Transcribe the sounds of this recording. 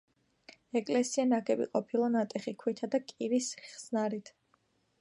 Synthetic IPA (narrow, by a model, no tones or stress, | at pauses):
ɛkʼlɛsianaɡɛbḭqʼɔpʰilˠanat̪ʼɛχikʰwit̪ʰad̪akʼiɾisχz̥naɾit̪ʰ